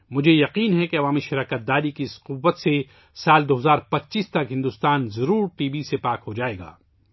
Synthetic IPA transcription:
mʊd͡ʒʱejɐqiːnɦɛkeɐʋaːmiʃɪɾaːkət̪̚d̪aːɾikiɪsqʊʋːət̪se | saːld̪oːɦɐzaːɾpɐt̪ːʃiːst̪ɐkɦɪ̃nd̪ust̪aːnzɐɾuːɾʈiːbisepaːkɦod͡ʒaːeːɡa̰ː

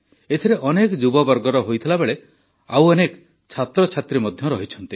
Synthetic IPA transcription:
et̪ʰiɾeʔɔnekɔd͡ʒubɔbɔɾɡɔɾɔɦojt̪ʰilabeɭe | awɔnek | t͡ʃʰat̪ɾɔt͡ʃʰat̪ɾimɔd̪ʱjɔɾɔɦit͡ʃʰɔnt̪i

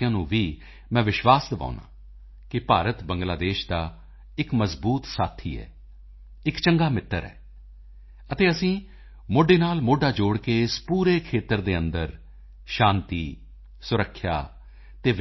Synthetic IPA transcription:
jãːnũːʋiː | mɛ̃ːʋɪʃʋaːsd̪əʋa̰ːʊnã̰ː | kɪpaːɾət̪bəŋɡlaːd̪eːʃd̪aː | ɪkməzbuːt̪saːt̪ʰḭːɛ̰ː | ɪkt͡ʃəŋɡaːmɪt̪ːəɾɛ̰ː | ət̪eːəsĩː | moːɖeːnaːlmoːɖaːd͡ʒoːɽkeːɪspuːɾeːkʰeːt̪əɾd̪eːənd̪əɾ | ʃaːnt̪iː | sʊɾəkʰːja̰ː | t̪eːʋ

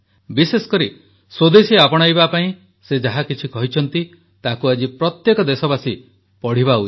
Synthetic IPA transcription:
bisesɔ̥kɔɾi | sod̪esiapɔɽ̃ajbapaĩ | sed͡ʒaɦakit͡ʃʰikɔɦit͡ʃʰɔnt̪i | t̪akuad͡ʒipɾɔt̪jekɔd̪esɔbasi | pɔɽ̤iβaut͡ʃ

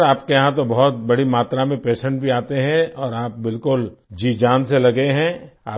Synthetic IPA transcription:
ɾaːpkejɐɦãt̪obɔɦʊt̪̚bɐɽimaːt̪ɾamẽpeːʃə̃ɳʈ̚bʱiaːt̪eɦɛ̃ɔːɾaːp̚bɪlkʊld͡ʒiːd͡ʒaːnselɐɡeɦɛ̃aː

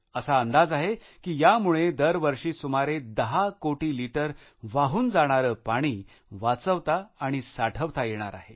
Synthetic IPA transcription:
əsaənd̪ad͡zaɦe | kiːjamuɭed̪əɾʋəɾʂiːsumaɾed̪əɦakoʈiːliʈəɾ | ʋaɦuːnd͡zaɽ̃aɾəːpaɽ̃iː | ʋat͡səʋt̪aːɽ̃isaʈʰəʋt̪ajeɽ̃a̰ɾa̰ɦe

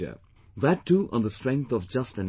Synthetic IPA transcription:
ə̰ | ðætʰːuʔə̰̃nðəstɹ̥ɛ̃ŋk̚θɔvd͡ʒʌstɨ̃n

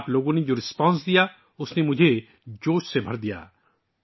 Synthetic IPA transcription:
ploɡoned͡ʒoɾispɔns̬d̪ija | ʊsnemʊd͡ʒʱe | d͡ʒoːʃsebʱəɾd̪ija̰

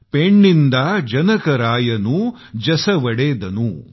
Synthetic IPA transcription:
peɳːind̪ɐd͡ʒɐnɐkɐɾaːjɐnu | d͡ʒɐsɐʋɐɽeːd̪ɐnu

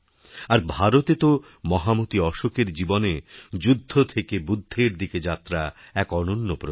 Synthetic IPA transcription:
aɾbʱaɾot̪et̪o | mɔɦamot̪iɔʃokeɾd͡ʑiboned͡ʑud̪ʱːot̪ʰekebud̪ʱːeɾd̪iked͡ʑat̪ːɾaɛkɔnonːopɾo

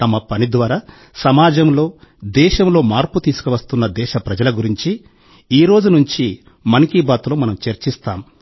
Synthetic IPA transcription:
t̪ɐmɐpɐnid̪ʋaːɾaː | sɐmaːd͡ʒɐmlo̞ːd̪ɛːʃɐmlo̞ːmaːɾput̪iːsu̥kɐʋɐst̪unːɐd̪ɛːʃɐpɾɐd͡ʒɐlɐɡuɾiɲt͡ʃi | iːɾo̞ːd͡ʒunuɲt͡ʃi | mɐnikiːbaːt̪loːmɐnɐmt͡ʃeɾt͡ʃist̪aːm

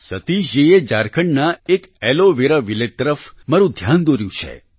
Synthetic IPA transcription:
sət̪iʃied͡ʒaɾkʰəɳnaekɛloʋeɾaʋilet̪ːəɾəfmaɾũd̪ʱjand̪oɾjũt͡ʃʰḛ

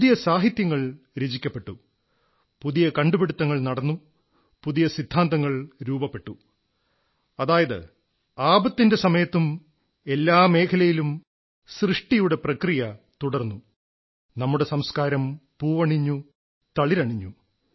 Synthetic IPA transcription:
ijɐsaːɦit̪jɐŋːɐɭ | ɾed͡ʑikʲːɐpːe̞ʈːu | puðijɐkɐɳɖubeɽut̪ːɐŋːɐɭnɐɽɐnːu | puðijɐsid̪ʱːaːnd̪ɐŋːɐɭɾuːbɐpːe̞ʈːu | ɐðaːjɐðɨ̰ | aːbɐt̪ːinde̞sɐmɐjɐt̪ːum | e̞lːaːme̞ːkʰɐlɐjilum | srɨʂʈijuɽe̞prɐkrijɐt̪uɽɐrnːu | nɐmːuɽe̞sɐmskaːɾɐmpuːʋɐɳiɲːu | t̪ɐɭiɾɐɳiɲːu

